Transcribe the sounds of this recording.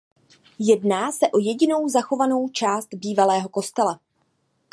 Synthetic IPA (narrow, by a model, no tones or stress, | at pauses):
jɛdnaːsɛʔo̞jɛɟɪno̞wzaxo̞vano̞wt͡ʃaːst̪biːvalɛːɦo̞ko̞st̪ɛla